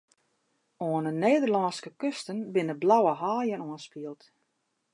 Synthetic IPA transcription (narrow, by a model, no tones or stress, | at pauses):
oənəneːdərlɔnskəkøstənbɪnəblawəɦaːjənoənspiəlˠt